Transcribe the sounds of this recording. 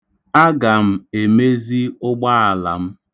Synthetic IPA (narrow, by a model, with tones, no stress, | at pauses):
a˦ɡa˨m̩˦e˨me˦zi˦ʊ˦ɡ͡ba˦a˨la̰˨m̩˦